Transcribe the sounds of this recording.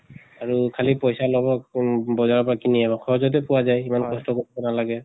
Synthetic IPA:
aɹukʰalipɔjsalɔbɔbɔzaɹɔpɔɹakiniɛbɔkʰɔɦɔzɔt̬ɛpuwazajimankɔstɔkoɹibɔnalaɡɛ

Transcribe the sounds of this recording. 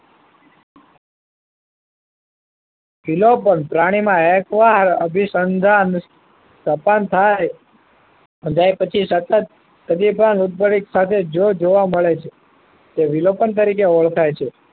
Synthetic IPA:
ʋilopənpɾaɽ̃imãekʋaɦɾəbʱisənd̪ʱan | səpant̪ʰaj | d͡ʒajpət͡ʃʰisət̪ət̪̚ː | əd̪ibanut̪̚bəɾiksat̪ʰed͡ʒod͡ʒoʋaməɭet͡ʃʰe | t̪eʋilopənt̪̬əɾikeɔɭk̪ʰajt͡ʃʰe

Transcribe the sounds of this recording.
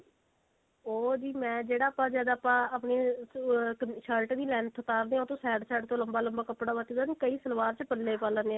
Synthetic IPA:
oːd͡ʒiːmɛ̃ːd͡ʒeːɽaːapãːzjaːd̪aːpãːaːpneː | ʃəlʈd̪iːlɛːɳ̚t̪ʰət̪aːɾd̪eːãːt̪õːsɛːɽsɛːɖt̪õːləmbaːləmbaːkəpɽaːʋat̪ːizaːniːkəiːsəlʋaːɾt͡ʃpəlːeːpaːlãnd̪eã

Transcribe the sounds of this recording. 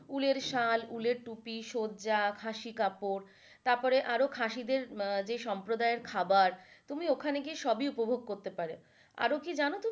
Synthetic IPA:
uleɾʃaluleɾʈupiʃodd͡ʑakʰaʃikapoɾ | t̪aɾpɔɾeʔaɾokʰaʃid̪eɾd͡ʑeʃɔmpɾod̪aeɾkʰabaɾt̪umiokʰaneɡiʃɔbiupobʱoɡ̚koɾt̪epaɾe | a̰ɾokid͡ʑanot̪u

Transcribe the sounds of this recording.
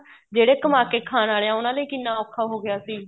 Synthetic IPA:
d͡ʒeːɽeːkəmaːkeːkʰaːnaːleãːʊnãːləiːkɪnːaːɔːkʰːaːɦoːɡɪjaːsiː

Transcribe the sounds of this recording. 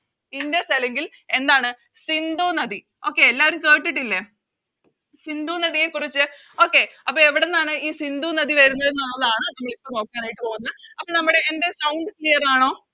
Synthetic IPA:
indjesɐleŋɡil | e̞nd̪aːɳɨ | sind̪uːnɐði | o̞ːkːe̞ːlːaːʋɐɾumkeːʈːiʈːilːe | sind̪uːnɐðije̞kːurit͡ɕːɨ | o̞ːkːe̞ɐpːoeʋiɽenːaːɳɨiːsind̪uːnɐðiʋɐɾunːɐðenːolːɐðaːɳɨnɐmːɐɭipːɐnoːkːaːnaːjiʈːɨpo̞ːunːɐðɨɐpːonɐmːuɽe̞ːnde̞sɐwɳɖɨklijɐraːɳo̞ː

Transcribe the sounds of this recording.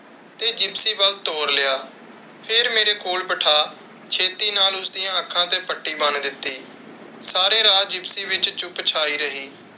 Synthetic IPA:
t̪eːd͡ʒɪbsiːbəlt̪oːɾlɪaː | pʰɪɾmeːɾeːkoːlpəʈʰaː | t͡ʃʰeːt̪iːnaːlʊsd̪ɪjãːəkʰːãːt̪ẽːpəʈːiːbənd̪ɪt̪ːiː | saːɾẽːɾaːd͡ʒɪbsiːʋɪt͡ʃt͡ʃʊpt͡ʃʰaːiːɾəɦiː

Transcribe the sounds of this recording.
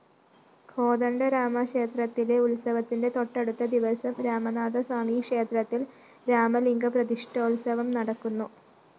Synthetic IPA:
kʰo̞ːd̪ɐɳɖɐɾaːmɐkʂeːt̪rɐt̪ːile̞ulsɐʋɐt̪ːinde̞t̪o̞ʈːeɽut̪ːɐd̪iʋɐsɐmɾaːmɐnaːd̪ɐswaːmikʂe̞ːt̪rɐt̪ːil | ɾaːmɐliŋɡɐprɐd̪iʂʈʰɐulsɐʋɐmnɐɽɐkːunːu

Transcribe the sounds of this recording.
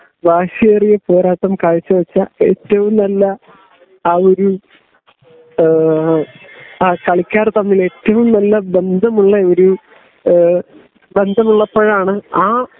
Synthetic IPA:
bʱaːɕɐerijepoːɾaːt̪ːɐmkaːɻit͡ɕːɐʋɐt͡ɕːɐeːtːɐʋumnɐlːɐː | o̞ɾu | akɐɭikʲːaːrt̪ɐmːile̞tːɐʋumnɐlːɐbe̞nd̪ʱɐmuɭːɐoɾu | be̞nd̪ʱɐmuɭːɐpːoːɻaːɳɨaː

